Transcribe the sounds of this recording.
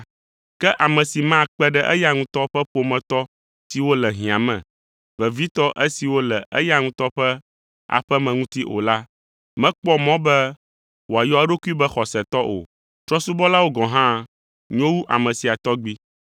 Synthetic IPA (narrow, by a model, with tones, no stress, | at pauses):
kɛ˦ʔa˨mɛ̃˨si˨mã˦˨k͡pɛ˦ɖɛ˦ʔɛ˦ja˦ŋũ˦t̪ɔ˦ɸɛ˦ɸo˨mɛ̃˨t̪ɔ˦ | si˨wo˦lɛ˨ɦĩ˨ã˨mɛ̰̃˨ | vɛ˨vi˦t̪ɔ˦ʔɛ˦si˨wo˦lɛ˨ʔɛ̰˦ja˦ŋũ˦t̪ɔ˦ɸɛ˦ | a̰˨ɸɛ˦mɛ̃˨ŋũ˦t̪i˦ʔo̰˨la˦ | mɛ̃˦k͡pɔ˦mɔ̃˦bɛ˦ | wo˨a˨jɔ˦a˦ɖo˦ku˦i˦bɛ˦xɔ˨sɛ˨t̪ɔ˦ʔo̰˨ | t̪ɾɔ˦su˦bɔ˦la˦wo˦ɡɔ̃˨ɦã˦ | ɲõ˦wu˦ʔa̰˨mɛ̃˨si˨a˨t̪ɔ˦ɡ͡bi˦